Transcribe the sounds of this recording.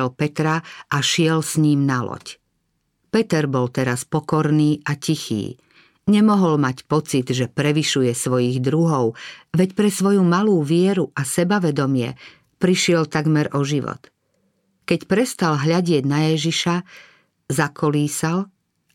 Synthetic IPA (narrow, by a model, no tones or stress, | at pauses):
lpɛt̪ɾaʔaʃɪɛlsɲiːmnalɔ̰c | pɛt̪ɛɾbɔlt̪ɛɾaspɔkɔɾniːacixḭː | ɲɛmɔɦɔlmacpɔt͡sid̪ʒɛpɾɛʋiʃujɛsʋɔjiɣd̪ɾuɦɔʊʋɛcpɾɛsʋɔjumaluːʋɪɛɾuʔasɛbaʋɛd̪ɔmɪɛ̰ | pɾiʃɪɛlt̪aɡmɛɾʔɔʒiʋɔ̰t̪ | kɛcpɾɛst̪alɦʎaɟɪɛɟnajɛʒiʃa | zakʰɔliːsal